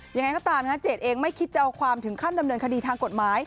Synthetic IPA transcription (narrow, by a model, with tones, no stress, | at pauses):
ja˧ŋa˧jkɔː˥˩t̪aː˧mnʰa˦˥t͡ɕeː˨˩t̪̚ʔeː˧ŋma˥˩jkʰi˦˥t̪̚t͡ɕa˧wkʰwaː˧mt̪ʰɯ˩˦ŋkʰa˥˩nda˧mnɤː˧nkʰa˧diː˧t̪ʰaː˧ŋko˨˩t̪̚maː˩˦˥j